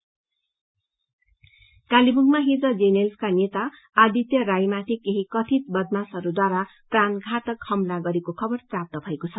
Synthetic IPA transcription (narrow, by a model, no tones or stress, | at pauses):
kalibuɡmaɦid͡zʌd͡zenelskanet̪aː | d̪it̪jʌɾajmat̪ʰikeɦikʌt̪ʰit̪̚bʌd̪masʌɾud̪waɾapranɡʱat̪ʌkhʌmlaɡʌɾekokʰʌbʌrprap̚t̪ʌbʱʌekot͡sʰʌ